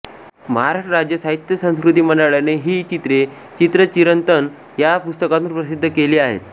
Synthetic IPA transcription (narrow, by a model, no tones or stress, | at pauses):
məɦaɾaʂʈəɾad͡ʑjəsaɦit̪jəsə̃w̃skɾut̪iːməɳɖaɭjaneɦiːt͡ɕit̪ɾe | t͡ɕit̪ɾət͡ɕiɾənt̪ən | japust̪əkat̪ũːnpɾəsid̪ʱːəkeliːaɦḛt̪